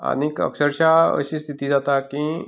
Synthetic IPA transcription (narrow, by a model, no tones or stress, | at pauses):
a̰nikə̰ksəɾʃaə̰ɕist̪ʰit̪id͡zat̪aki